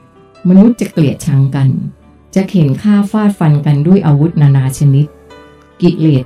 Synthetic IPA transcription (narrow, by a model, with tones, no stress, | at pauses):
ma˧nu˦˥t̪̚t͡ɕa˨˩kli˨˩ət̪̚t͡ɕʰa˦˥ŋka˧n | t͡ɕa˨˩ʔ̚he˩˦nkʰaː˥˩faː˥˩t̪̚fa˧nka˧ndu˥˩əjʔaː˧wu˦˥t̪̚naː˧naː˧t͡ɕʰa˧ni˦˥t̪̚ | ki˨˩leː˨˩t̪̚